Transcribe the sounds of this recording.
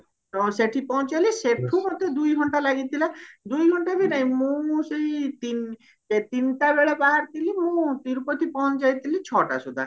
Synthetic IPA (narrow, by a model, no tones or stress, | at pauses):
seʈʰipɔɦt͡ʃaliseʈʰumɔt̪ːed̪ujɡʱɔɳʈalaɡit̪ʰilad̪ujɡʱɔɳʈabinaɦĩmũseit̪in | et̪inʈabeɭabaɦaɾt̪ilimũt̪iɾupɔt̪ipɔɦɔ̃d͡ʒajt̪ʰilit͡ʃʰɔʈa̰sud̪ʱa̰